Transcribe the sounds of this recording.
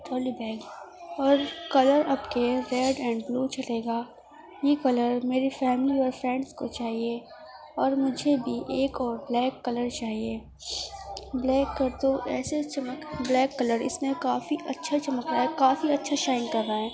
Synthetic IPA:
ʈʰɔːlibɛːɡɔːɾkɐləɾɐpkeɾɛːɖɛ̃ːɳɖbluːt͡ʃɐleːɡaː | jeːkɐləɾmeːɾifɛːmliɔːɾfɾɛ̃ɳɖskot͡ʃaːɦie | ɔːɾmʊd͡ʒʱebʱiʔeːkɔːɾblɛːkːɐləɾt͡ʃaːɦieː | blɛːkːɐɾt̪oʔɛːset͡ʃɐməkblɛːkːɐləɾɪ̰smẽkaːfiʔɐtːʃʰat͡ʃɐməkɾaːɛkaːfiɐtːʃʰaʃaːɪ̃nkɐɾːaːɦɛː

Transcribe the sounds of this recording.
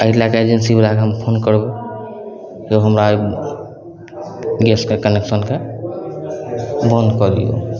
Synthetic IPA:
əɦlakeed͡ʒensibeɾakeɦəmpʰonkəɾbe | joɦəmɾa | ɡeskekəneksənke | bə̃nd̪kɔd̪ḭjo̰

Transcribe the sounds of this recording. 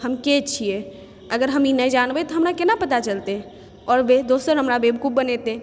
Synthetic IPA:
həmket͡ʃʰije | əɡəɾɦəminəjd͡ʒanbɛt̪ɔɦəmɾakenapət̪at͡ʃəlt̪ẽ | ɔːɾbed̪osəɾɦəmɾabebʱkubbənet̪ẽ

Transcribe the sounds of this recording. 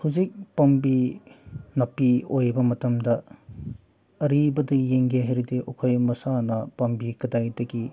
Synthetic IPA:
huzik̚pɐmbi | nɐpiojbɐmɐtɐmdɐ | ɐɾibɐdɐijeŋɡeɦɐjɾideʔokʰojmɐsanɐpɐmbikɐdajdɐɡi

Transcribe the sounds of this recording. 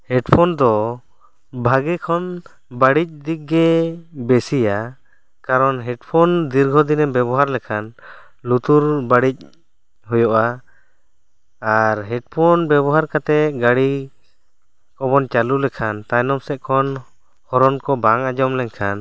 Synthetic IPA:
hɛɖpʰɔnd̪ɔ | bʱaɡɛkʰɔn | baɽic̚d̪ik̚ɡɛbɛsija | kaɾɔnɦɛɖpʰɔnd̪iɾɡʱɔd̪inɛbɛbɔɦaɾlɛkʰan | lut̪uɾbaɽic̚ | ɦɔjɔʔa | aɾɦɛɖpʰɔnbɛbɔɦaɾkat̪ɛɡaɽi | kɔbɔnt͡ʃalulɛkʰant̪ajnɔmsɛʔ̚kʰɔn | hɔɾɔnkɔbaŋad͡ʒɔmlɛɲkʰan

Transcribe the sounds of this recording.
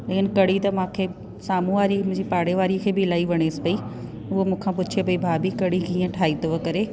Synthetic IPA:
lɐkɪnkɐɽit̪ɐmãːkʰeː | saːmũʋaːɾimʊ̃ɪ̃d͡ʑipaːɽeʋaːɾikʰeːbɪɪlaːiʋɐɽ̃eːsɪ̥pɐi | ʊɦomũːkʰãpʊt͡ɕʰepɐibʱaːbikɐɽikĩːə̃ʈʰaːit̪ʰoʋɐkɐɾe

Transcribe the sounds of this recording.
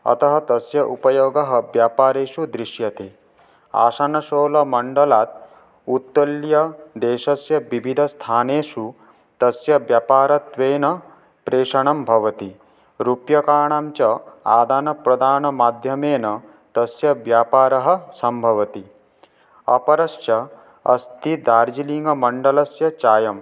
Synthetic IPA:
ɐ̰t̪ɐɦɐt̪ɐsjɐʔupɐjoːɡɐɦɐʋjaːpaːɾeːʃud̪ɾiʂjɐt̪e | a̰ːʃanɐʃoːlɐmɐɳɖɐlaːt̪̚ | ut̪ːɐljɐd̪eːʃɐsjɐʋibʱid̪ʱɐst̪ʰaːneːʃu | t̪ɐsjɐʋjaːpaːɾɐt̪ʋeːnɐ | pɾeːʂɐɳɐmbʱɐʋɐt̪i | ɾupjɐkaːɳaːmt͡ʃɐa̰ːd̪ʱaːnɐpɾɐd̪ʱaːnɐmaːd̪ʱjɐmeːnɐ | t̪ɐsjɐʋjaːpaːɾɐɦɐ̆sɐmbʱɐʋɐt̪i | ɐpɐɾɐsjɐ | ɐ̰st̪id̪aːɾd͡ʒiliŋɡɐmɐɳɖɐlɐsjɐt͡ʃaːjɐm

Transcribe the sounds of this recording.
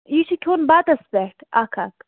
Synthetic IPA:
iːʃʰikʰʲoːnbaːt̪ɐsbɛʈʰa̰ːkʰaːk

